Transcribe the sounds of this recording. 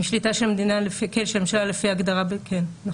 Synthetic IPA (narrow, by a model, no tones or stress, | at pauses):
ʃlitaʃelmed̪inalefikelʃemʃelalefiaɡd̪aʁabekʰenna